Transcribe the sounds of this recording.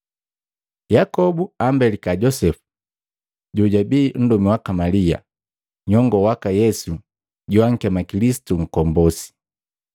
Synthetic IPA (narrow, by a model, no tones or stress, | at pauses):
jakɔbuambɛlikaɟɔsɛfu̥ | ɟuɟabiːn̩dumiwakamalia̰ | ɲɔŋɡɔwakajɛsu | ɟuwaŋ̩kamakilisi̥tuŋ̩kɔmbɔsi̥